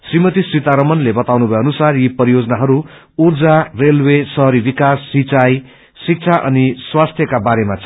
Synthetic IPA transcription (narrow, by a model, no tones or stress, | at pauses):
srimʌt̪isrit̪aɾʌmʌnlebʌt̪awnubʱʌeʌnusarjipʌɾijod͡zʌnaɦʌɾu | urd͡zarelwesʌɦʌɾibikasːit͡saj | sik̚t͡sʰaʔʌ̰niswast̪ʰjʌkabaɾemat͡sʰ